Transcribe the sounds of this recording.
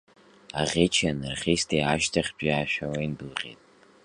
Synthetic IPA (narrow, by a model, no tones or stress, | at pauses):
aʁʲet͡ʃʰanɨrχʲistʰejaʃtʰaχʲbaaʃᶣawainbɨlʁʲḛtʼ